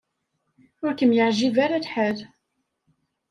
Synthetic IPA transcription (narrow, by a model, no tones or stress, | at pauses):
ʊɾkəmjəʕʒivaɾalħæð